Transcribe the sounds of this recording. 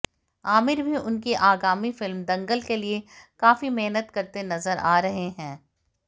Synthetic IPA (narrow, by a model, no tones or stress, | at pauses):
aːmɪɾbʱiʔʊnkiʔaːɡaːmifɪlmd̪ɐ̃ŋɡəlkeliekaːfimeɦnət̪kɐɾt̪enɐzəɾa̰ːɾɐɦeɦɛ̃ː